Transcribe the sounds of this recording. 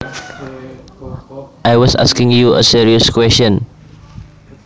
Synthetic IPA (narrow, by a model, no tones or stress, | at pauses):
ʔajwɔsa̰skɪ̃ŋjuʔə̰siɹiəskwɛst͡ʃə̃n